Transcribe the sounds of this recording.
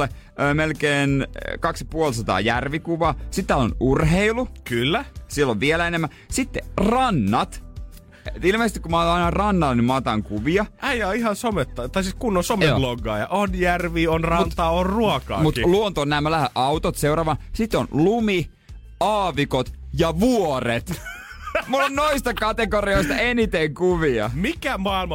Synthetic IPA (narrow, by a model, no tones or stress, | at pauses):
e | øːmelkeːnkɑksjɑpuolsɑt̪ɑ̰ːjærʋikuʋɑːsit̪ːæːlo̰nurɦeilukylːæsielːoʋʋielæenemːæ | sit̪ːerɑnːɑt̪ | ilmeːst̪ikumɑːt̪ɑɑinɑrɑnːɑlːenimɑt̪ɑŋkuʋiɑæjɑːihɑnsomet̪ːɑt̪ɑisiːskunːosomeo̰loɡɑːjɑʔonjærʋiːonrɑnt̪t̪ɑːorruokɑ̰ːmut̪luont̪onːæːmælæhæʔɑwt̪ot̪seurɑːʋɑnsit̪ːo̰nlumi | ɑːʋikot̪ | jɑʋuoret̪ | mulːonnoist̪ɑkɑt̪ekorioist̪ɑenit̪eŋkuʋiɑ̰mikæmɑilmɑ